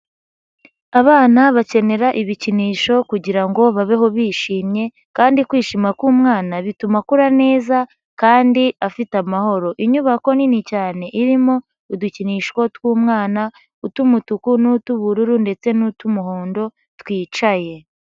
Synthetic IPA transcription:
aβaːnaβace̞ne̞ɾaʔiβiciniːʃo̞kuɟiɾaŋɡo̞βaβeɦo̞βiːʃiːmɲe̞ | kaːndikwiːʃiːmakuːmŋaːnaβitumakuɾane̞ːza | kaːndiafitamaho̞ɾo̞ʔiɲuβako̞ninicaːne̞ʔiɾimo̞ | uduciniːʃko̞twuːmŋaːna | utumutukunutuβuɾuɾunde̞t͡se̞nutumuɦo̞ːndo̞ | twiːt͡ʃaje̞

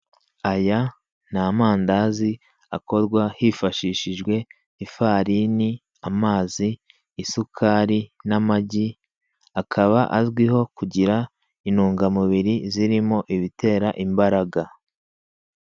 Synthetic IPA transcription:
aja | naːmaːndazi | ako̞ɾɡwahifaʃiːʃiʒɡwe̞ | ifaːɾini | amaːziː | sukʰaːɾinamaɟi | akʰaβaʔazɡwiho̞kuɟiɾa | inuːŋɡamuβiɾiziɾimo̞ʔiβite̞ːɾaʔimbaɾaɡa

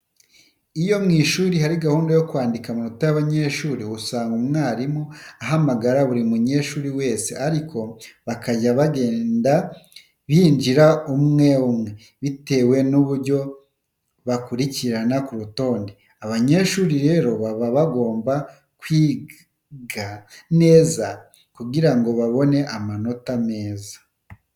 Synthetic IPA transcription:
ijo̞mŋiːʃuːɾihaɾiɡahuːndajo̞kwaːndikamunotajaβaɲe̞ʃuːɾihusaːŋɡumŋaːɾimoaɦamaɡaɾaβuɾimuɲe̞ʃuːɾiwe̞ːse̞aɾikʰo̞βakaɟaβaɡe̞ːnda | βiːnd͡ʒiɾaumŋe̞umŋe̞ | βite̞ːwe̞nuβuɾɟo̞ | βakuɾiciɾanakuɾuto̞ːnde | aβaɲe̞ʃuːɾiɾe̞ːɾo̞βaβaβaɡo̞ːmba | kwiː | ɡane̞ːza | kuɡiɾaŋɡo̞βaβo̞ne̞ʔamano̞tame̞ːzḁ

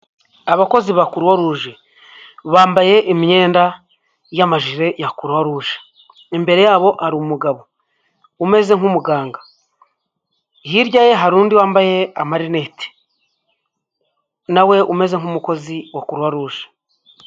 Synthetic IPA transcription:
aβako̞ziβakuɾwaɾuːʒe | βaːmbaje̞ʔimiɲe̞ːnda | jamaʒiɾe̞jakuɾwaɾuʒe̥ | embe̞ɾe̞jaːβo̞ʔaɾiumuɡaβo̞ | ume̞ze̞ŋumuɡaːŋɡa | hiɾɟaje̞ɦaɾuːndiwaːmbaje̞amaɾine̞ti̥ | nawe̞ʔume̞ze̞ŋumuko̞ziwakuɾwaɾuːʒe̥

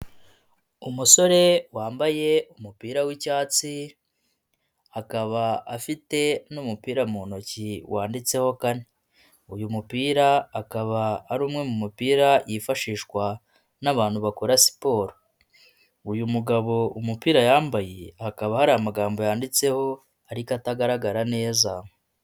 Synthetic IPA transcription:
umuso̞ɾe̞waːmbaje̞umupiːɾawicaːt͡si | akaβaafite̞numupiːɾamunociwʔaːndit͡se̞ho̞kane | ujumupiːɾaːkaβaːɾuːmŋe̞mumupiːɾajʔifaʃiːʃkwa | naβaːn̥huβakoɾasi̥po̞ːɾo | ujumuɡaβo̞umupiːɾajaːmbajehakaβahaɾajamaɡaːmbo̞jaːndit͡se̞ho̞ | aɾikataɡaɾaɡaɾane̞ːzam

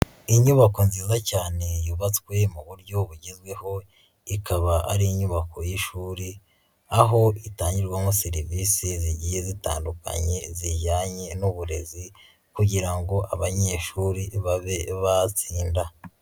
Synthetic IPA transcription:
iɲuβako̞nziːzacaːne̞juβat͡skwe̞muβuɾɟoβuɟizɡwe̞ho̞ | ikʰaβaa̰ɾiiɲuβako̞jiʃuːɾi | aɦo̞itaːɲɟiɾɡwamo̞seɾiviːsiziɟijezita̰ːnduka̰ɲe̞zijaːɲe̞nuβuɾe̞zi | kuɟiɾaŋɡo̞ʔaβaɲeːʃuɾiβaβeβat͡siːnda

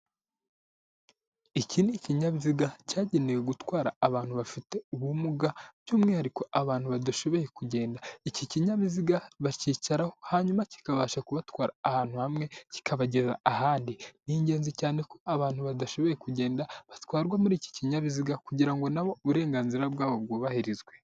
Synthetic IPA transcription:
iciniciɲaβiziɡacaːɟeneweɡutwaːɾa̰ːβaːn̥huβafite̞uβumuɡab̥ɟuːmŋe̞haɾiko̞ʔaβaːn̥huβadaʃo̞βo̞je̞kuɟe̞ːndaiciciɲaβiziɡaβaciːcaɾahohaɲumaci̥kaβaːʃakuβatwaːɾaːhaːn̥huhamŋe̞ci̥kʰaβaɟe̞za̰ːɦaːndiniːɲɟe̞ːnzicaːne̞ko̞aβaːnhuβadaʃo̞βojekuɟe̞ːndaβatwaːɾɡwamuɾiːci̥ciɲaβiziɡakuɟiɾaŋɡo̞naβo̞uβuɾe̞ːŋɡaːnziɾabɡaːβo̞b̚ɡoːβahiɾizɡwe̞

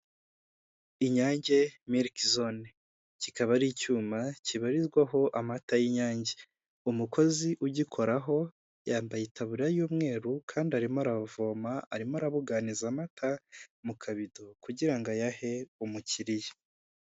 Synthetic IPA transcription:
iɲaːɲɟe̞miɾkzone | cikaβaɾiːcuːmaciβaɾizɡwaɦo̞ʔamatajiɲaːɲɟe | umukʰo̞ziʔuɟikʰo̞ɾaɦo̞ | jaːmbajetʰaβuɾɾajuːmŋe̞ːɾukʰaːndiaɾimoaɾaβvo̞ːmaa̰ɾimoaɾaβuɡanizamatʰamukʰaβidokuɟiɾaŋɡajahe̞umuciɾije

